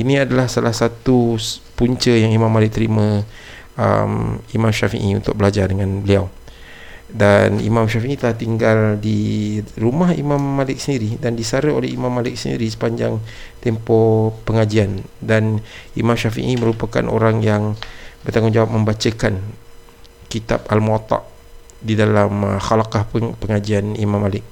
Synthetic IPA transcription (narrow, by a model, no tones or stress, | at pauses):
inĩadalahsalahsat̪upuɲt͡ʃəjaŋimãmːalɪk̚t̪əɾimə̃ | ə̰mimãmʃafḭʔiunt̪ʊk̚bəlad͡ʒardəŋãnbəliaw | danḭmãmʃafiʔit̪əlaht̪iŋɡaldiɾumahimãmːalɪk̚səndiɾidandisaɾəolɛimãmːalɪk̚səndḭɾisə̥paɲd͡ʒa̰ŋ | t̪ɛmpɔpəŋad͡ʒiandanimãmʃafḭʔimə̃ɾupaka̰nʔo̰ɾaŋjaŋbərt̪aŋʊnd͡ʒawap̚mə̃mbat͡ʃəkan | kit̪a̰p̚almat̪ɑ̰ʔ | didalamxalakahpəŋad͡ʒianimãmːalɪk̚